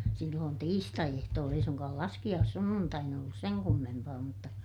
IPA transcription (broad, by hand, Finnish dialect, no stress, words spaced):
silːoːn tiːstɑiehtoːlː ei suŋkɑːl lɑskij̆ɑːsːunːuntɑin olːus seŋ kumːempɑː mutːɑ